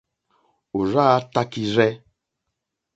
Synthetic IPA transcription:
o˨ɾa˦a˦ta˦ki˦ɾɛ˦

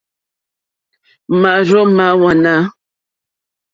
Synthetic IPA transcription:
ma˨ʔɾɔ˦ʔma˨˦wa˨na˦

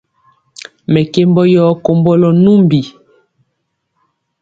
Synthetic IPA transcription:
mɛ˨ke˦mbɔ˦jɔ˦ko˦mbɔ˦lɔ˦nu˦mbi˨

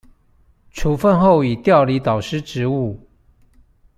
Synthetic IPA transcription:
ʈ͡ʂʰu˨˦fə˥˧nxo˥˨ʊi˨˩t̪jɑ˥˨ʊli˧˦t̪ɑ˨˩ʊʂɻ̩˥ʈ͡ʂɻ̩˧˦u˥˩

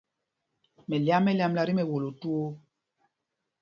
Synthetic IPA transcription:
mɛ˨lja˦mːɛ˦lja˦mla˨ɾi˦mɛ˨wo˨lo˨tu˦o˦

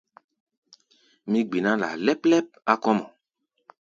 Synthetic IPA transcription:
mĩ˦ɡ͡bi˨nã˦la̰˨lɛ˦plɛ˦p̚a˦kɔ˦mɔ˨

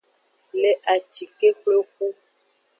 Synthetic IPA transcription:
le˨ʔa˨t͡ʃi˨ke˦k͡plo˦k̚u˦

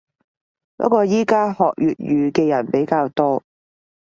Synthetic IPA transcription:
pɔ̰˨˥kɔː˧jiː˥kaː˥hɔː˨k̚jyː˨t̚jyː˨kɛː˧jɐ˨˩npe˨˥jkaː˧wt̪ɔː˥

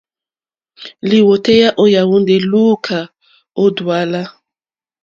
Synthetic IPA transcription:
li˨wo˨te˦ja˦ʔo˦ja˨wu˦nde˨lu˦kʰa˨ | o˦dwa˦la˦

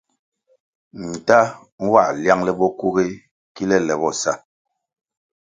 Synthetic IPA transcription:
n̩˨ta˦ | ŋ̩˦wa̰˦˨lja˦ŋlɛ˦bɔ˦ku˦ɣe˦ | ki˦lɛ˦lɛ˨bɔ˦˨sa˦˨

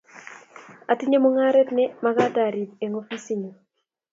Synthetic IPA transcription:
a˨ti˦ɲe˦mo˦ŋa˦ɾɛ˦tnɛ˦ma˦ɡa˦da˨ɾi˨be˨ŋo˦fi˦si˦ɲo˨

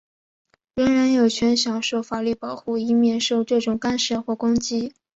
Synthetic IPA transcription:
ɻə˧˥ŋɻa˧˥njo˨˩ʊt͡ɕʰɥɛ˧˥nɕjɑ˨˩ŋʂo˥˩ʊfa˨˩ly˥˩pɑ˨˩ʊxu˥˩i˧˥mjɛ˥˧nʂo˥˧ʊʈ͡ʂɤ˥˩ʈ͡ʂʊ˨˩ŋka˥nʂə˥˩xwɔ˥˩kʊ˥ŋt͡ɕi˥

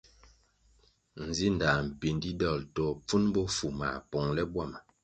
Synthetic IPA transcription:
n̩˨zi˦n˨da˨m̩˨pi˨ndi˦dɔ˦˨ltɔ˨p͡fu˦nbɔ˦fu˨ma̰˨pɔ˨ŋlɛ˦bwa˦˨ma˨

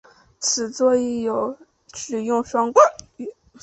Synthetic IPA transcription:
t͡sʰɹ̩˨˩t͡swɔ˥˧i˥˩jo˨˩˦ʊ | ʈ͡ʂɻ̩˨˩jʊ˥˧ŋʂwɑ˥ŋkwə˥˩˥

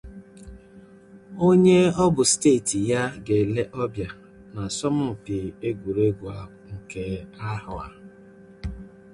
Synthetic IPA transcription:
o˦ɲe˦ɔ˦bʊ˨steː˦˨ti˨ja˦ɡe˨le˦ʔɔ˦bja˨ | na˨sɔ˦mʊ˦˨pɪ˨e˦ɡʷu˨ɾe˦ɡʷa˨ | ŋ̩˨ke˨a˦hʊ˨a̰˨

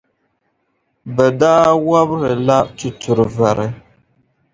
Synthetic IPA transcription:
bɛ˨daː˦wa˦bɾɨ˨la˦tu˨tʊ˨ɾɨ˨va˨ɾɨ˨

